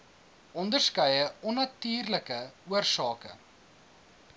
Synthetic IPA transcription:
ʔɔndərskœjəɔnɐtyːrləkəuərsɑːkə̰

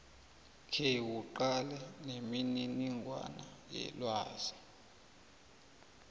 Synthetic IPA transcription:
kʰewuǃalɛnemininiŋɡwa̰najɛ̰lwaːz̥i

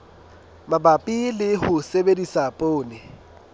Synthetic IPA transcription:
mabapʼilɪɦʊsebedisapʼoːnɪ

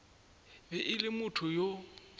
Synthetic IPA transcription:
bɛʔɪlɪmʊtʰʊjo

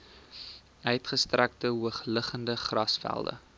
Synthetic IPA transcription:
œɥtχəstræk̚təɦuəχləχəndəχrɐsfæ̰lˠdə̰

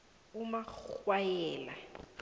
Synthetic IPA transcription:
umawajɛːla

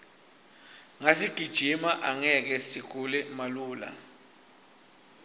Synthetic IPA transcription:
ŋasiɡ̥ʱid̥ʒ̥ʱimaʔaŋɛk̬ɛsik̬ʰulɛmaluːla̰

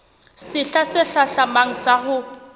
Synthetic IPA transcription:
sɪɬasɪɬaɬamaŋ̩sahʊ

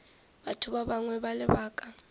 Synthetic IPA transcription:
ɓatʰuɓaɓaŋwɛɓalɛbaːkʼa

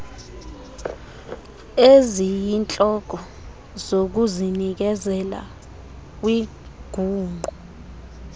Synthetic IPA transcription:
ezijint͡ɬʼɔɡ̥ʱɔ | zok̬uzinik̬ɛzɛla̰ | k̬ʼwi | ɡ̥ʱuːŋʱu

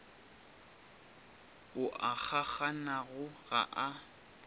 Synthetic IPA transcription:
ʊʔak͡xʰak͡xanaɣʊɣa̰ʔa

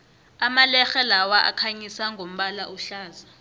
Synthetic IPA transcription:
amalɛxɛlawaʔa̰kʰaɲisaŋɡʱom̩ɓalaʔuɬaːza

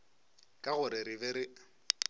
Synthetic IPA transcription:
kʼaɣʊɾɪɾɪbɛɾɪ

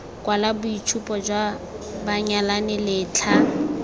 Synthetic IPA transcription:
kʼwalabʊit͡ʃʰupʼɔd͡ʒwa | baɲalanɪlɪːt͡ɬʰa

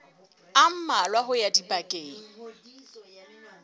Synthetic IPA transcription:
am̩malwaɦʊjadipʼakʼeːŋ̩

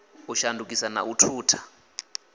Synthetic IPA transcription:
uʃandʱuk̬ʼisana̰ʔutʰuːtʰḁ

